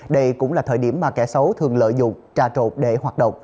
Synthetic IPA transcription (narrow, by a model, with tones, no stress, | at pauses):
ɗə˧jkʊ̰˧˥ŋ͡mlaː˨˩t̪ʰəː˧˨˩jɗi˧˩əmːaː˨˩kɛ̰˧˩sə˨˦wt̪ʰɨ˨˩əŋlə̰ː˧˨jzʊ̰˧˨ŋ͡mt͡ɕaː˧˩t͡ɕo˨˩p̚ɗe˧˩hwaː˨˩t̚ɗə̰˧˨wŋ͡m